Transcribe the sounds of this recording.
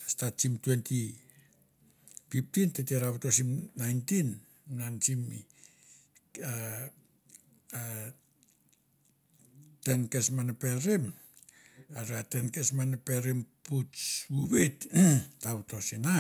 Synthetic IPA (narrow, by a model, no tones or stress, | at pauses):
statt͡ʃimtwenti | pip̚tinteteɾaβtosimnajntin | nansimi | a | tenkesmanapeɾem | aɾatenkesmanapeɾimputsuβettautosina